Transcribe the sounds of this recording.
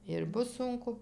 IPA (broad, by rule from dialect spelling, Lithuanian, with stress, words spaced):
ɪr ˈbʊs ˈsʊŋkʊ